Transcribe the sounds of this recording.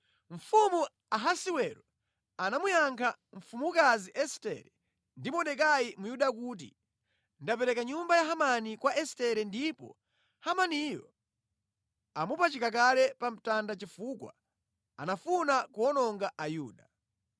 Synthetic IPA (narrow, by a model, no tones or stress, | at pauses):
ɱ̩fumu | aɦasiwɛɾɔ | anamujaŋkʰaɱ̩fumuukaziʔɛstɛ̰ɾɛ | ndimɔɗɛk̬ajimujuɗakut̬ḭ | ndapɛɾɛkaɲumbajaɦamanikwaʔɛstɛɾɛndipɔ̰ | hamanijɔ̰ | amupat͡ʃikakalɛpam̩tandat͡ʃifukwa̰ | a̰nafunakuɔnɔŋɡaʔajuːɗa